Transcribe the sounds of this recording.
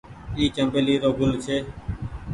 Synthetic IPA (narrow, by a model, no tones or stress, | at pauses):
iːt͡ʃəmbeːliːɾoːɡʊlt͡ʃʰeː